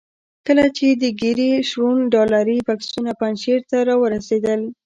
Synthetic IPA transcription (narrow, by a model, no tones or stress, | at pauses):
kəlat͡ʃed̪əɡiɾiʃwunɖɑlaɾibaksunapanʃeɾt̪aɾɑwəɾased̪əl